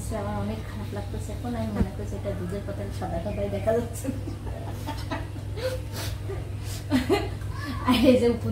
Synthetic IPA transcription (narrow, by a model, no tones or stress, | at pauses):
sʰeamaɾɔnekkʰanaplak̚poɾet͡ɕʰeɛkʰonamimanekoɾet͡ɕʰeeʈad̪ud͡ʑeɾkɔt̪ʰeʃɔd̪akɔd̪ʱajd̪ɛkʰad͡ʑat̪ːɕʰe | aed͡ʑeup̪o